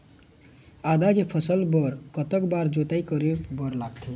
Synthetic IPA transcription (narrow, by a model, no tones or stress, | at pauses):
ad̪akepʰəsəlbəɾkət̪əkbaɾd͡ʒot̪aikəɾebəɾlaɡt̪ʰi